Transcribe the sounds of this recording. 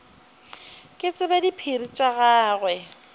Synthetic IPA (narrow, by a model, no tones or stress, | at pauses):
kʼɪt͡sʼɪbadipʰirit͡ʃʼaɣaːɣwɛ